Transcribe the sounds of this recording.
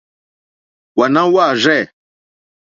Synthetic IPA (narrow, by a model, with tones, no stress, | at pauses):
wa˨nã˦wa˦˨ʒɛ˦˨